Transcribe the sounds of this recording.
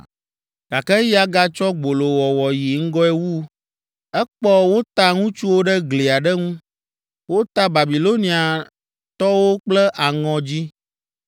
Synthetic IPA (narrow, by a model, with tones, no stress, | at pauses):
ɡ̥a˨kɛ˦ji˦a˦ɡa˦t͡ʃɔ˦ɡ͡bo˨lo˨wɔ˨wɔ˨ji˨ŋ̩˦ɡɔ˦ɛ˦wu˦ | ɛ˦k͡pɔ˦wo˦t̪a˦ŋũ˦t͡ʃu˦wo˦ɖɛ˦ɡle˨a˨ɖɛ˦ŋũ˦ | wo˦t̪a˦ba˨bi˨lo˦nĩ˨a˨ | t̪ɔ˦wo˦k͡plɛ˦ʔa˨ŋɔ̃˨d͡ʑi˦